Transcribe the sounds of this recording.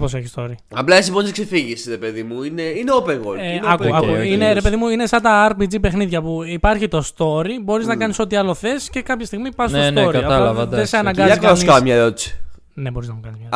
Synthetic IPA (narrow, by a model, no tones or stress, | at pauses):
poseçist̪oɾi | ɐplɐes̬ibont̪ikse̞fiʝisɾe̞pe̞ðimuineineopẽŋɣo̰lɐkuɐkuineɾe̞peðimuine̞sɐnd̪ɐɐɾpid͡zipe̞xniðʝɐpuipɐɾçit̪o̞st̪o̞ɾibo̞ɾiznɐkɐniso̞t̪iɐlo̞θe̞sce̞kɐpçɐst̪iɣmipɐsnosneoɾiɐɐɐlɐvɐd̪ɐðeseɐnɐŋɡɐzɐikɐskɐmɲɐeɾot̪isi̥ | ne̞bo̞ɾiznɐmukɐnizmɐ